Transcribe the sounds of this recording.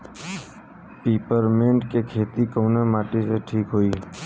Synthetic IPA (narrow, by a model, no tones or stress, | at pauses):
piːpəɾmẽːɳɖkekʰeːt̪ikoːnemaːʈiseʈʰiːkɦoːiː